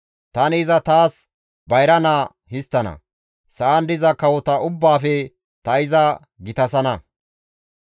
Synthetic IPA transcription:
t̪ɐnɪːzɐt̪aːs | bɐjɾɐnaː | hɪst̪ːɐnɐ̰ | sɐːnd̪ɪzɐkɐwɔt̪ɐʊbːaːfɛ | t̪ɐɪzɐ | ɡɪt̪ɐsɐnɐ

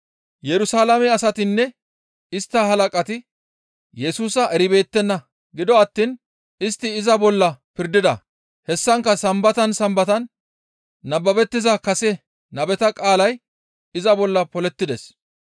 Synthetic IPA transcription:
jɛɾʊsaːlɐmɛɐsɐt̪ɪnːɛ | ɪst̪ːɐɦɐlɐkʼɐt̪ɪ | jɛsuːsɐʔɛɾɪbe̞ːt̪ːɛnːɐ | ɡɪd̪ɔɐt̪ːiːn | ɪst̪ːɪːzɐbɔlːɐpɪɾd̪ɪd̪ɐ̰ | hɛsːɐŋkːɐsɐmbɐt̪ɐnsɐmbɐt̪ɐnː | ɐbːɐbɛt̪ːɪzɐkɐsɛ | nɐbɛt̪ɐkʼaːlɐj | ɪzɐbɔlːɐpɔlɛt̪ːɪd̪ɛs

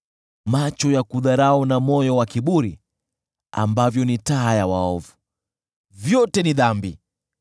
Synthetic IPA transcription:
mat͡ʃɔjakuðaɾaɔnamɔjɔwakiɓuɾi | a̰mbavjɔnitaːjawaɔvu | vjɔtɛniðambi

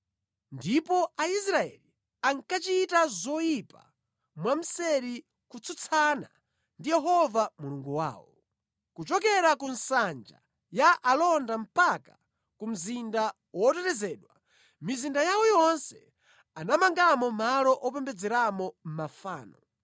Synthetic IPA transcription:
ndipɔais̬ɾaɛ̰li | aŋkat͡ʃitazɔjipa̰ | mwam̩sɛɾi | kut͡sʰut͡sʰana̰ | ndijɛɦɔvamuluŋɡuwa̰ːwɔ̰ | kut͡ʃɔk̬ɛɾakunsand͡ʒa̰ | jaʔalɔndam̩paka | kum̩zinda | wɔtɛtɛzɛːɗwa | mizindajawɔjɔnsɛ | anamaŋɡamɔmalɔʔɔpɛmbɛd͡zɛɾamɔm̩mafaːnɔ

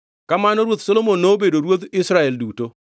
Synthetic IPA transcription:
kamanɔɾwot̪solomonːoːbedoɾwot̪ɪsɾaɛlduto

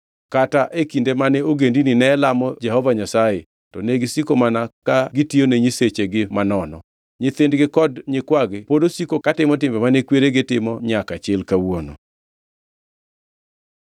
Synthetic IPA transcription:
kataʔekindemanɛoɡendininɛlamɔd͡ʒɛhɔvaɲasaje | tɔneɡɪsikomanakaɡɪtioneɲiset͡ʃeɡɪmanɔnɔ | ɲɪθɪndɡɪkɔdɲɪkwaɡɪpodosikokatɪmɔtɪmbɛmanekweɾeɡɪtɪmɔɲakat͡ʃɪlkawono̰

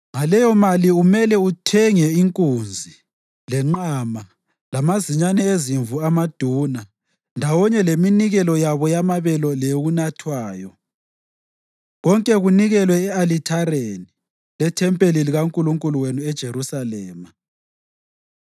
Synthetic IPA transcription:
ŋalɛjɔmaliumɛlɛutʰɛŋɛiŋkʼund͡zʱi | lɛŋ͡ǃama | lamaziɲanɛeziɱvuamad̥ʱuːna | ndʱawɔɲɛleminiɣɛlɔjaβɔjamaβɛlɔlɛoɣunatʰwaːjɔ | ɣɔŋkʼɛɣuniɣɛlwɛːalitʰaɾeni | lɛtʰɛmpʼeliliɣaŋkʼuluŋkʼuluwenuɛd̥ʒ̥ʱeɾusalɛːma

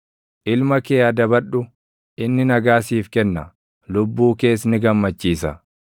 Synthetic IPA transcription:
ʔɪlmɐkeːɐd̪ɐbɐᶑʊ | ʔɪnːɪnɐɡaːsiːfkɛnːɐ | lʊbːuːke̞ːs̬nɪɡɐmːɐt͡ʃːiːsɐ

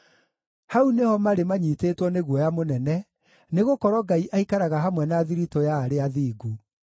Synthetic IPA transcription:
haunehɔmaɾemaɲiːtetwɔneɣwɔjamonɛnɛ | neɣokɔɾwɔɡaiʔaikaɾaɣaɦamwɛnaðiɾitojaːɾeaðiːɡu

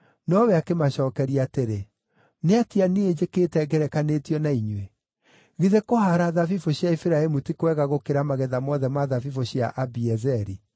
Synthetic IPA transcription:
nɔwɛakemaɕɔːkɛɾiateɾe | neatianied͡ʑekeːtɛɡɛɾɛkanetiɔnaiɲwe | ɣiðekoɦaɾaðavifoɕjaifiɾaemutikwɛɣaɣokeɾamaɣɛðamɔðɛmaðavifoɕja̰ʔabiɛzɛɾi

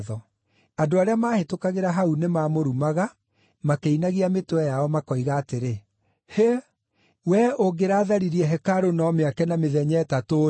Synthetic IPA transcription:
ðɔ | adoaɾeamaːhetokaɣeɾaɦaunemamoɾumaɣa | makeinaɣiametoɛjaɔmakɔiɣaːteɾe | he | wɛoɡeɾaːðaɾiɾiɛɦɛkaɾonɔmeakɛnameðɛɲɛtato

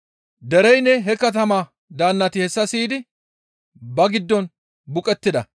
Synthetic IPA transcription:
d̪ɛɾɛjnːɛɦɛkɐt̪ɐmaː | d̪aːnːɐt̪ɪhɛsːɐsiːd̪ɪ | bɐɡɪd̪ːɔn | bʊkʼɛt̪ːɪd̪ɐ

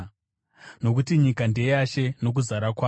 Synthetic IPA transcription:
no̞k̬utiɲikandejaʃe̞no̞k̬uzaɾakwaː

